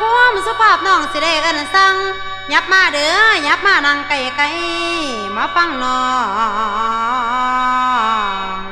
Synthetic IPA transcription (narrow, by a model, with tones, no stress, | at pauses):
ɔ˧˨m˨su˧pʰaː˧˩˨p̚nɔː˧˩˨ŋsi˧da˧˨ʔa˧˩˨na˨sa˧ŋ | ɲa˧˦˥p̚maː˧˩˨dɯ˨˦ɲa˧˦p̚maː˧˨na˧˨ŋka˧˩ja˨ka˧˦j | maː˧˦fa˧˩˨ŋnɔ˧˩˧